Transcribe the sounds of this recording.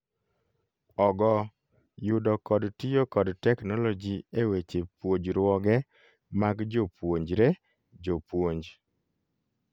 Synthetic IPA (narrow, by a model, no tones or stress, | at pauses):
ɔɡɔ | jʊdɔkɔdtijokɔdtɛknɔlɔd͡ʒiewet͡ʃepwoɲd͡ʒɾwɔɡɛ | maɡd͡ʒopwoɲd͡ʒɾe | d͡ʒopwoɲd͡ʒ